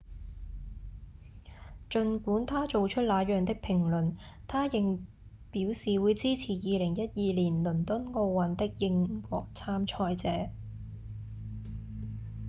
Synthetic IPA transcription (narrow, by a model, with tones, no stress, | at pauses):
t͡ʃɵ˨nkuː˨˥nt̪ʰaː˥t͡ʃo˨wt͡ʃʰɵ˥t̚laː˨˧jœː˨ŋt̪ɪ˥k̚pʰɪ˨˩ŋlɵ˨˩nt̪ʰaː˥jɪ˨ŋ | piː˨˥wsiː˨wuː˨˧jt͡siː˥t͡sʰiː˨˩jiː˨lɪ˨˩ŋjɐ˥t̚jiː˨˧liː˨˩nlɵ˨˩nt̪ʊ˥nko˧wwɐ˨˧nt̪ɪ˥k̚jɪ˧ŋkʷɔ̰ː˧k̚t͡sʰaː˥mt͡ʃʰɔː˧jt͡sɛː˨˥